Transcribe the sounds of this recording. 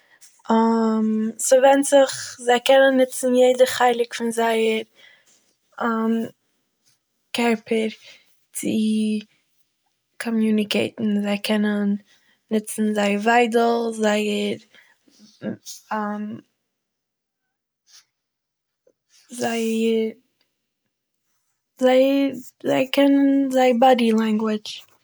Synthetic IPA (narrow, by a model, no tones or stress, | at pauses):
amsɔvɛntz̥ɪχzaɪkɛnənːɪt͡sn̩jeɪdəχaɪlˠɪkfɪnzaɪəɾ | am | kɛɾpʰəɾ | t͡sɪ | kʰɔmjuːnɪkeɪtn̩zaɪkʰɛnənː | ɪt͡sn̩zaɪvaɪdl̩ˠzaɪəɾ | am | zaɪ | zaɪ | zaɪkʰɛnənzaɪbɑdilˠaŋɡwɪt͡ʃ